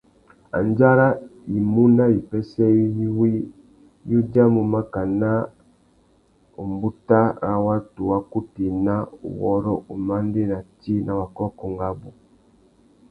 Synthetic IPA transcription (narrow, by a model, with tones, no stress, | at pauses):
a̰˨nd͡ʒa˦ɾa˦i˨mu˦na˦i˨pɛ˦sɛ˦i˦i˦wi˦ | ju˦d͡ʒa˦mu˨ma˦ka˨na˦ | u˨mbu˦ta˦ɾa˨wa˦tu˨wa˦ku˦ti˨na˦ṵ˨wɔ˦ɾɔ̰˦ʔṵ˨ma˦nde˦na˨ti˦nʔa˨wa˨kɔ˦kɔ˨ŋɡa˦bu˨